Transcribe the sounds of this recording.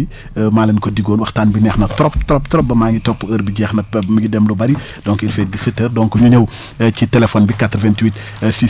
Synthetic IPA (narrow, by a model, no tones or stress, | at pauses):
i | maːlɐnkɔdiɡoːnwɐxtaːnbinɛxnɐtɾɔp̚tɔɾɔptɔɾɔp̚bɐmaːŋɡitɔpːuəɾbiɟɛxnɐmiɡidɛmlubɐɾi | dɔŋkilfɛːt̚ɡisetərdɔ̃ŋkɔɲuɲəw | citɛlɛfɔnbikatrvɛntwit | si